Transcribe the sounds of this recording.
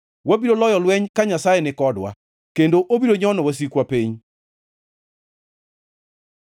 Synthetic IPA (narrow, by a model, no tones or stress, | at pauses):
wabiɾolɔjɔlwɛɲkaɲasajɛnɪkɔdwa̰ | kendoʔobiɾoɲɔnɔwas̬ikwapeɲ